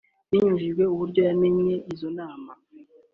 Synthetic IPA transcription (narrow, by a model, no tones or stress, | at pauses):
jiɲuʒiʒɡwe̞uβuɾɟo̞jameɲe̞ʔizo̞naːma